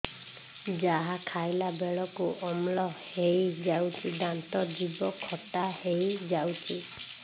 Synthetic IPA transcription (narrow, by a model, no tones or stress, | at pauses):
d͡ʒaɦakʰajlabeɭɔkuʔɔmlɔhejd͡ʒawt̪ʰid̪ant̪ɔd͡ʒibɔkʰɔtahejd͡ʒawt̪ʰi